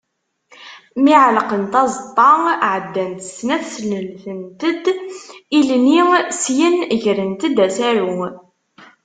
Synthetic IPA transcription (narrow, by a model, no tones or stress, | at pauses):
miʕlqənt̪ɑzˤt̪ˤːɑʕəd̪ːænt̪ə̥snæθsləlθənt̪əd̪ilnisjənəʝɾənt̪əd̪æsæɾu